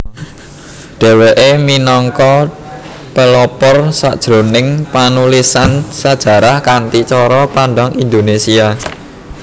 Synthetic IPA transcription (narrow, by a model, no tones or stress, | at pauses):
ɖ̥e̤weʔeminɔŋkɔ | pəlɔpɔrsa̰ʔd̥ʒ̥ɾo̤nɪŋpanulisansad̥ʒ̥ä̤ɾahkant̪it͡ʃɔɾɔpanɖaŋind̪onesia